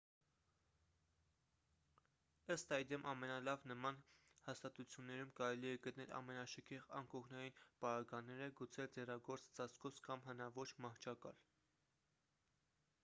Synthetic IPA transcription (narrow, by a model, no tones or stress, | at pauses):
əst̪ɑjd̪ɛmʔɑmɛnɑlɑvnəmɑnhɑst̪ɑt̪ut͡sʰjunːɛɾumkɑɾɛliɛɡət̪nɛlʔɑ̰mɛnɑʃəkʰɛʁɑ̰ŋkɔʁnɑjinpɑɾɑɡɑnːɛɾəɡut͡sʰɛld͡zɛrɑɡɔɾt͡st͡sɑskɔsʰkɑmɦənɑvɔt͡ʃʰmɑht͡ʃʰɑkɑ̰l